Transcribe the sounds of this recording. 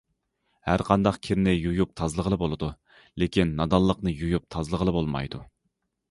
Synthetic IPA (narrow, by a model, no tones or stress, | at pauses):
hæɾqʰɑnd̪ɑqkʲʰiɾnɪjujup̚t̪ʰɑzlˠəʁəlˠɨbolˠɨd̪u | lekʲʰinːɑd̪ɑlˠːəqnɨjujup̚t̪ʰɑzlˠəʁəlˠɨbolˠmɑ̰jd̪u